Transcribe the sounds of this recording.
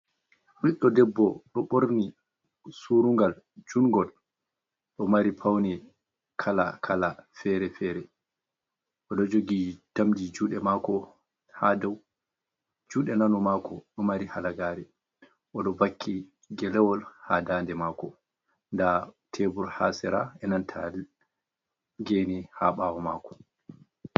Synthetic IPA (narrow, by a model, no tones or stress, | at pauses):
wiɗːɔdɛbːɔɗɔɓoɾni | suɾuŋɡal | d͡ʒunɡɔl | ɗɔmaɾipʰawni | kʰala̰kʰalafɛɾɛfɛɾɛ | ʔɔɗɔd͡ʒoɡitamdid͡ʒuːɗɛmakɔ | hadaw | d͡ʒuːɗɛnanɔmaːkʰɔɗɔmaɾihalaɡaːɾɛ | ʔɔɗɔbakʰːi | ɡɛlɛwɔlhadaːndɛmaːkɔ | ndatʰebuɾhasɛɾaɛnantʰa̰l | ɡeːnihaɓawɔmaːkɔ̥